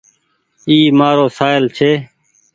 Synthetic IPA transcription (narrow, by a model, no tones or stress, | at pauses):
iːmaːɾoːsaːɪlt͡ʃʰeː